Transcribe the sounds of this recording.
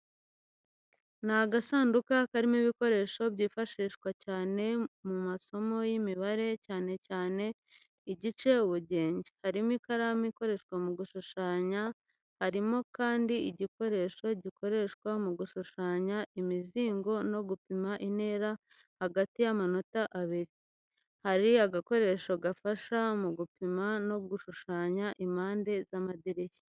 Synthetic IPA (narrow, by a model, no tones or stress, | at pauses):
naɡasaːndukakaɾimiβiko̞ɾe̞ʃo̞bɟiːfaʃiːʃkwacaːne̞mumaso̞mo̞jimiβaɾe̞caːne̞caːne̞ | iɟit͡ʃe̞uβuɟe̞ːɲɟehaɾimikaɾamiko̞ɾe̞ʃkwamuɡuʃuʃaːɲa | haɾimo̞kaːndiiɟiko̞ɾe̞ʃo̞ɟikʰo̞ɾe̞ʃkwamuɡuʃuʃaːɲaimiziːŋɡo̞no̞ɡupimaʔine̞ːɾa | haɡatijamano̞taʔaβiɾi | haɾiaɡako̞ɾe̞ʃo̞ɡafaʃamuɡupimano̞ɡuʃuʃaːɲaʔimaːnde̞zamadiɾeçe̥